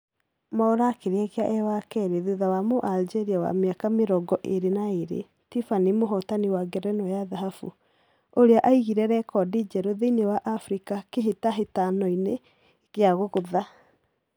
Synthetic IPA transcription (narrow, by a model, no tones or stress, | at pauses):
maoɾakeɾeaɣeaʔɛwakɛɾeðuðawamoʔald͡ʒɛɾiawa̰meakameɾɔɡɔʔeɾenaeɾḛ | tifanimoɦɔtaniwaɡɛɾɛnɔjaðaɦafṵ | oɾeaʔaiɣiɾɛɾɛkɔdid͡ʒɛɾoðeinewaʔafɾikakeɦetaɦetanɔine | ɣeaɣoɣoða